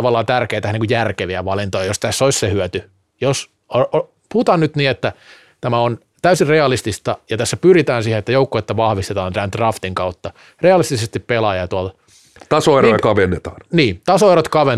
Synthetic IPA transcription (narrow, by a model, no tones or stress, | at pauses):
ɑʋɑlːˑɑːt̪ærkeːt̪æhniːkujærkeʋiæʋɑlint̪ojɑjost̪æsːoissehyøt̪y | jos | oʔ | put̪ɑnnyt̪niːet̪ːæ | t̪æmæon | t̪æysirreɑlist̪ist̪ɑjɑt̪æsːæpyrit̪æːnsiːhenet̪ːæjoukːoet̪ːæʋɑhʋist̪et̪ɑːnt̪ænd̪̥rɑft̪iŋkɑut̪ːɑ | reɑlist̪isest̪ippelɑjɑt̪uɑlt̪ | t̪ɑsoerojɑkɑʋenːet̪ɑ̥ːnniːt̪ɑsoeɾot̪kɑʋen